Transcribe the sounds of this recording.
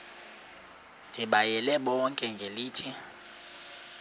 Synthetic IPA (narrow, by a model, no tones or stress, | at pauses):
nd̥ʱiɓajɛlɛɓɔŋkʼɛŋɡʱeliːtʰi